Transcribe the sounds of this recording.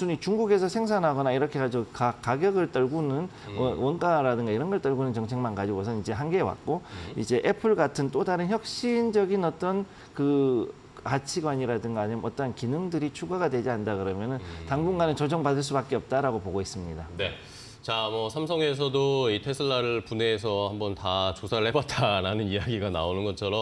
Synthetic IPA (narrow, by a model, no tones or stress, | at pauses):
sʰuɲit͡ɕuŋɡuɡe̞sʰʌsʰe̞ŋsʰanɦaɡʌnaiɾʌkʰe̞ɡad͡ʑokak͈ːaɡjʌɡɯɭt͈ʌɭɡunɯn | ʌwʌnk͈aɾadɯŋɡaiɾʌnɡʌɭt͈ʌɭɡunɯnt͡ɕʌŋt͡ɕʰe̞ŋmankad͡ʑiɡosʰʌnid͡ʑe̞ɦanɡeːwa̰k̚k͈oid͡ʑe̞ʔe̞pʰɯɭɡatʰɯnt͈odaɾɯnçjʌk̚ɕ͈ind͡ʑʌɡinʌt͈ʌn | kɯ | kat͡ɕʰiɡwaɲiɾadɯŋɡaɲimʌt͈ʌɦankinɯŋdɯɾit͡ɕʰuɡaɡadwe̞d͡ʑiandakɯɾʌmjʌnɯntaŋbuŋɡanɯnt͡ɕʌd͡ʑʌŋbadɯɭs̬͈ubak͈eʌp̚t͈aɾaɡopoɡois͈ɯmɲidane̞ | t͡ɕamʌsʰamsʰʌŋe̞s̬ʰʌdoitʰesʰɯɭːaɾɯpuneːsʰʌhambʌntat͡ɕosʰaɾɯɭhe̞batʰaɾanɯnijaɡiɡanaonɯnɡʌt͡ɕʰʌɾʌm